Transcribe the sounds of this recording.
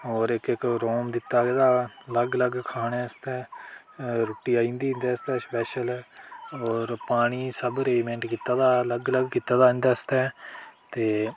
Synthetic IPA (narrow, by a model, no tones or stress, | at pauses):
ɦoːɾɪkɪkɾoːmd̪ɪt̪ːaːɡeːd̪aːləɡləɡkʰaːɽ̃eːəst̪ɛː | ɾoːʈːiːaːĩːnd̪ĩːnd̪eːəst̪ɛːspɛːʃəlːoːɾpaːɽ̃iːsəbɾeːmẽːɳʈkiːt̪ːaːd̪aːləɡləɡkiːt̪ːaːd̪ãːnd̪aːəst̪ɛːt̪eː